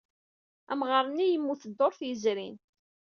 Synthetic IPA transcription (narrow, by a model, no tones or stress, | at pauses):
æ̰mʁəɾˤənːijəmːuθəd̪ːoɾˤθjəzɾin